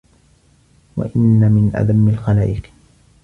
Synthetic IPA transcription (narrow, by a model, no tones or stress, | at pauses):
wa̰ʔɪnːamɪnʔa̰d̪amːalxalaːʔɪq